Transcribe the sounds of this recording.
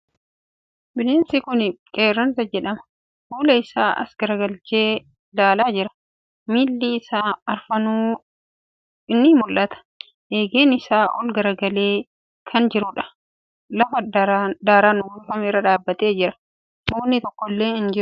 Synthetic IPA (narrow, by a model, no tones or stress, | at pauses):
bɪneːnsɪkʊnkʼeːrːɐnsɐd͡ʒɛᶑɐmɐ̥ | huːlɐɪsaːʔɐ̰sɡ̥ɐɾɐɡɐlt͡ʃe̞ː | d̪aːlaːd͡ʒɪɾɐ̥ | miːlːiːɪsaːɐɾfɐnuː | ɪnːɪmʊlʔɐt̪ɐ̥ | eːɡeːnɪsaːʔɔ̰lɡɐɾɐɡɐle̞ː | kʰɐnd͡ʒɪɾʊᶑɐ̥ | lɐfɐd̪aːɾanʊwʊlfɐmɪrːɐᶑaːbːɐt̪e̞ːd͡ʒɪɾɐ̥ | muːnːɪt̪ɔkːɔlːe̞ːɪnd͡ʒɪɾ